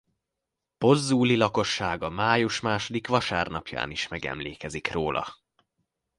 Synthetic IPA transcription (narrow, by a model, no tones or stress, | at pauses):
po̞zːuːlilɒko̞ʃːaːɡɒmaːjuʃmaːʃo̞d̪ikʋɒʃaːrnɒpja̰ːniʃmɛɡɛ̰mleːkɛzikroːlʔɒ̰